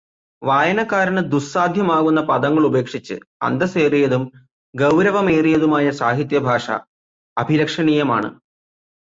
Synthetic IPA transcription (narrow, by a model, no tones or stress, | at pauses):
ʋaːjɐnɐkːaːɾɐnɨd̪ussaːd̪ʱjɐmaːɣunːɐpɐðɐŋːɐɭube̞ːkʂit͡ɕːɨ̰ɐ̰nd̪ɐseːrijɐðum | ɡɐwɾɐʋɐme̞ːrijɐðumaːjɐsaːɦit̪̬jɐbʱaːʂɐ̰ | ɐbʱiɾɐkʂɐɳiːjɐma̰ːɳɨ̰